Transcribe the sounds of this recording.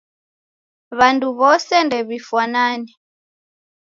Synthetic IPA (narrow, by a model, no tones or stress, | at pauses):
βanduβɔsɛndɛβifwanaːni